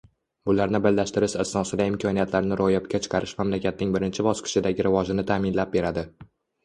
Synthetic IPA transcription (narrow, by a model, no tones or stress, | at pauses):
bʊlaɾnɪbɪlːaʃt̪ɪɾɪʃasnɒsɪd̪aɪmkʰɒnijat̪ʰlaɾnɪɾʔojapkʲat͡ʃʰɨ̥qʰɑɾɪʃmamlakʲat̪̚nɪŋbɪɾɪnt͡ʃʰɪbɒsqʰɨ̥ʃɪd̪aɡʲɪɾɪvɒʒɪnɪt̪ʰaːmɪnlap̚be̞ɾad̪ɪ